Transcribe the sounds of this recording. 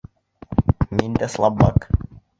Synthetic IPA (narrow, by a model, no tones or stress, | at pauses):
mint̪æslˠɑbːɑ̰k